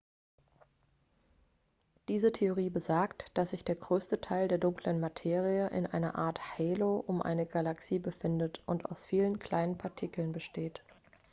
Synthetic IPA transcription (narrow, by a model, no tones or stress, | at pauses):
d̥iːzətʰeoʁ̞iːbəzaɐktd̥asz̥ɪçd̥eːɐɡʁøːstətʰaɪldeːɐdʊŋklənmatʰeːʁiəʔɪ̰nʔa̰ɪnɐʔa̰ːɐthɛloːʔʊmʔa̰ɪnəɡalaksiːbəfɪndətʔʊntʔa̰ʊsfiːlənkʰl̥aɪnənpʰaɐtʰikl̩nbəʃteːt